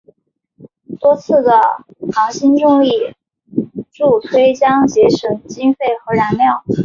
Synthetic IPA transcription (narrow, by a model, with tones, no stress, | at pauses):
t̪wɔ˥t͡sʰɹ̩˥˩d̪ə˩ | xɑ˧˥ŋɕi˥nʈ͡ʂʊ˥˧ŋi˥˩ | ʈ͡ʂu˥˩t̪ʰwe˥ɪɕjɑ˥ŋt͡ɕjɛ˧˥ʂə˨˩nt͡ɕi˥ŋfe˥˩ɪxɤ˧˥ɻa˧˥nljɑ˥˩ʊ